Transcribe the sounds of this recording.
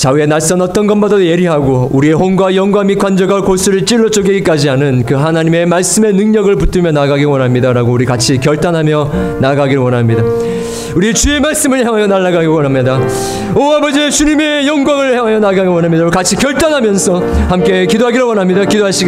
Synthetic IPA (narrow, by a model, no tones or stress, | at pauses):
t͡ɕae̞naɭs͈ʌnʌt͈ʌnɡʌnbadadoje̞ɾiɦaɡouɾie̞ɦoŋɡwajʌŋɡwamikwand͡ʑʌɡakos͈ʰuɾɯɭt͡ɕ͈iɭːot͡ɕ͈ʰoɡeɡik͈ad͡ʑianɯnkɯɦanaɲime̞maɭs͈ɯme̞nɯŋɲʌɡɯɭput͈ɯmjʌnaɡaɡiwʌnɦamɲidaɾaɡouɾikat͡ɕʰikjʌɭt͈anɦamjʌ | naɡaɡiɾowʌnɦamɲida | uɾit͡ɕue̞maɭs͈ɯmɯɭçjaŋɦajʌnaɭːaɡaɡiowʌnɦamɲida | oabʌd͡ʑit͡ɕuɲime̞jʌŋɡwaŋɯɭçjaŋɦajʌnaɡaɡiwʌnɦamɲidaukat͡ɕʰikjʌɭt͈anɦamjʌnsʰʌhamk͈e̞kidoɦaɡiɾowʌnɦamɲidakidoɦaɕ͈ʰiɡ